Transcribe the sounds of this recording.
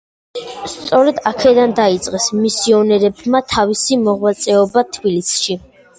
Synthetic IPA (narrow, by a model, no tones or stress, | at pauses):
st̪sʼɔɾɛd̪akʰɛd̪and̪ait̪sʼqʼɛsmisiɔnɛɾɛbmat̪ʰavisimɔʁwat̪sʼɛɔbat̪ʰbilisʃi